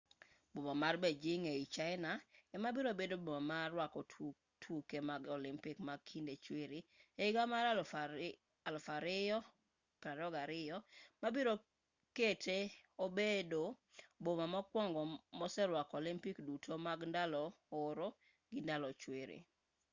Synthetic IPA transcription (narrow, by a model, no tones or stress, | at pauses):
bomamarbɛd͡ʒɪŋeit͡ʃaɪnaɛmabiɾobedobomamarwakɔ | tʰukemaɡɔlɪmpɪkmaɡ̚kʰindet͡ʃwɪɾieɪɡamaɾa | alfaɾɪɔ | kɾadɔɡaɾɪjɔmabiɾo | ketʰeobedobomamɔkwɔŋɡɔmɔsɛɾwakɔlɪmpikdutʰomaɡndalɔʊɾo | ɡɪndalɔt͡ʃweɾḭ